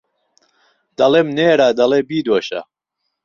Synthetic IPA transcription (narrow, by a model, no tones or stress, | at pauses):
d̪̥ɐleːmneːɾaːd̪ɐleːbiːd̪woʃɐ̰